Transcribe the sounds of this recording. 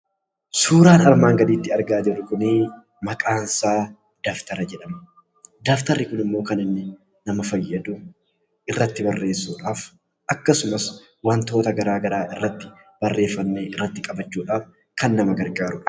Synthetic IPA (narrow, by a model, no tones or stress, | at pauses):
suːɾaːnɐlmaːŋɡɐd̪iːt̪ːɪɐɾɡaːd͡ʒɪrʊkʊnɪ | mɐkʼaːnsaː | d̪̥aːft̪ɐɾɐd͡ʒɛᶑɐmɐ | d̪aːft̪ɐɾːɪkʊnɪmːo̞ːkɐnɪnːɪ | nɐmɐfɐjːɐd̪ʊ | ʔɪrːɐt̪ːɪbɐrːe̞ːsːuːᶑaːf | ʔɐkːɐsʊmɐs | wɐnt̪o̞ːt̪ɐɡɐɾaːɡɐɾaːʔɪrːɐt̪ːɪ̥ | b̥ɐrːe̞ːfːɐnːeːʔɪrːɐt̪ːɪkʼɐbɐt͡ʃːuːᶑaːf | kɐnːɐmɐɡɐɾɡaːɾʊᶑɐ̥